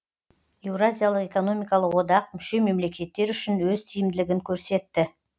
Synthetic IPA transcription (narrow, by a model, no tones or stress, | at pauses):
e̞vrazʲijalˠəqe̞ko̞no̞mijkɑlˠəqwo̞d̪ɑq̚mʏʃe̞me̞mle̞kʲe̞t̪ːe̞ɾʏʃɪnwɵzt̪ʰijɪmd̪ɪlɪɡʲɪŋkʲʰɵɾse̞t̪ːɪ